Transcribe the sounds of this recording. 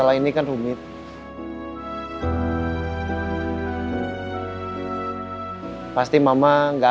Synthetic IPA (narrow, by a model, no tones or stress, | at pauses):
alahinikanrumɪt̪̚ | past̪imamaŋɡa